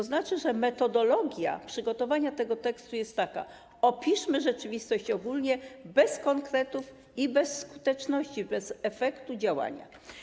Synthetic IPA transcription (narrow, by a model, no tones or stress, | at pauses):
ɔznat͡ʂɘʐɛmɛt̪ɔd̪ɔlɔɡʲja̰pʂɘɡɔt̪ɔvaɲat̪ɛɡɔt̪ɛkst̪ujɛst̪ːaka̰ | ɔpʲiʂmɘʐɛt͡ʂɘvʲist̪ɔɕt͡ɕɔɡulɲɛbɛskɔŋkɾɛt̪uf | ibɛsːkut̪ɛt͡ʂnɔɕt͡ɕibɛzɛfɛkt̪ud͡ʑawa̰ɲa̰